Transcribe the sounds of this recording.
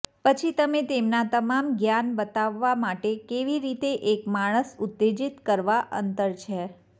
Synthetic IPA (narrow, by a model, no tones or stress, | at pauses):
pət͡ʃʰit̪əmet̪emnat̪əmamɡjanbət̪aʋːamaʈekeʋiɾit̪eʔekmaɽ̃əsʊt̪ːed͡ʒit̪kəɾʋaʔə̰nt̪əɾt͡ʃʰe